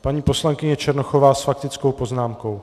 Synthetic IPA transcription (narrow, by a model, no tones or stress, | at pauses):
paɲiːpo̞slaŋkɪɲɛt͡ʃɛɾnoxovaːsfak̚t̪ɪt͡sko̞wpo̞znaːmko̞w